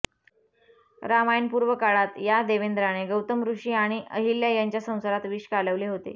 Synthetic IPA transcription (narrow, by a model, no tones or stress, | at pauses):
ɾamajnpuɾʋəkaɭat̪jad̪eʋend̪ɾaɽ̃eɡəwt̪əmɾuʂiːaɽ̃iʔə̰ɦilːjajaɲt͡ɕjasə̃w̃səɾat̪ʋiːʂkaləʋleɦot̪ḛ